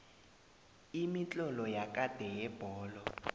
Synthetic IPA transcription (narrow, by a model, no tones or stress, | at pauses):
imit͡ɬʼɔlɔjak̬ʼad̥ʱɛjɛb̥ʱɔːlɔ